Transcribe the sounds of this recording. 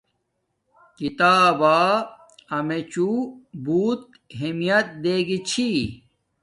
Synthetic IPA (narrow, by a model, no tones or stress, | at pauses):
kit̪aːbaː | ɐmet͡ɕubuːt̪̚ | ɦemijɐt̪̚d̪eːɡit͡ɕʰi